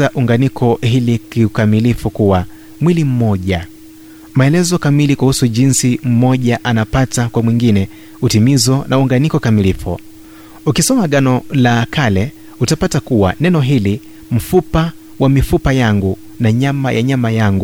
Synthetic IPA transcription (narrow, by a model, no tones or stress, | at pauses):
aʔuŋɡanikʰɔhilikiukamilifukuwa | mwilim̩mɔʄa | maɛlɛzɔkamilikuhusuʄinsim̩mɔʄaʔanapatakwamwiŋɡinɛ | utimizɔnʔauuŋɡanikɔkamilifṵ | ukisɔmaɠanɔlakalɛ | utapatakuwa̰nɛnɔɦili | m̩fupa | wamifupajaŋɡu | naɲamaja̰ɲamajaŋɡu